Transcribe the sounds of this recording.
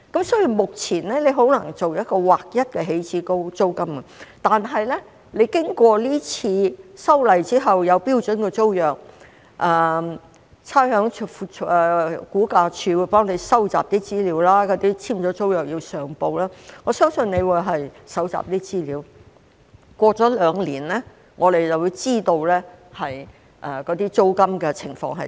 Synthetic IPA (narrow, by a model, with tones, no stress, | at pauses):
kɐ˨˥msɔː˨˥ji˨˧mʊ˨k̚t͡sʰiː˨˩nlɛ˥le˨˧jɦo˨˥wnɐ˨˩ŋt͡so˨wjɐ˥t̚kɔː˧waː˨k̚jɐ˥t̚kɛː˧ɦe˨˥jt͡sʰiː˨˥ko˥wt͡so˥wkɐ˥mɡɐ˧˨t̪aː˨nɦɐ˨jlɛ˥ | le˨˧jkɪ˥ŋkʷɔː˧liː˥t͡sʰiː˧sɐ˥wlɐ˨˩jt͡siː˥ɦɐ˨wjɐ˨˧wpiː˥wt͡ʃɵ˨˥nkɛː˧t͡so˥wjœː˨˩k̚ | ʔɛ˨˩ | t͡sʰaː˥jhœː˨˥ŋt͡ʃʰfu˨ | kuː˨˥kaː˧t͡ʃʰyː˧wu˨˧˥pɔː˥ŋle˨˧jsɐ˥wt͡sa̰ː˨p̚t̪iː˥t͡siː˥liː˨˧˥wlaː˥kɔː˨˥t̪iː˥t͡sʰiː˥mt͡ʃɔː˨˥t͡so˥wjœː˨k̚ji˧wsœː˨˩ŋpo˧wlaː˥ŋɔː˨˧sœː˥ŋsɵ˧ne˨˧jwuː˨˧jɦɐ˨jsɐ˨˥wt͡sa̰ː˨p̚t̪iː˥t͡siː˥liː˨˧w | kʷɔː˧t͡sɔː˨˥lœː˨˧ŋliː˨˩nlɛː˥ | ŋʔɔː˨˧ɾe˨jt͡sɐ˨˩wu˨˧jt͡siː˥t̪o˧wlɛː˥hɐ˨j | ʔɛ˨˩kɔː˨˥t̪iː˥t͡so˥wkɐ˥mkɛ˧t͡sʰɪ̰˨˩ŋfɔ̰ː˧ŋɦɐ˨